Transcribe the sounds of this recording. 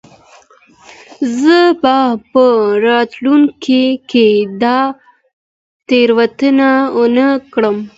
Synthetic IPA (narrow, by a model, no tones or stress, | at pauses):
zəbapəɾɑt̪luŋkiked̪ɑ | t̪eɾwat̪ənaonəkɽəm